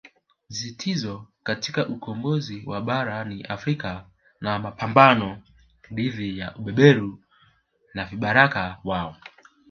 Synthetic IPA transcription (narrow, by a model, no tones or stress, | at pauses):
zitʰizɔkatikaʔukʰɔmbɔziwʔaɓaɾaniʔafɾika | namapambanɔ | ɗiðijaʔuɓɛɓɛɾu | naviɓaɾakawaɔ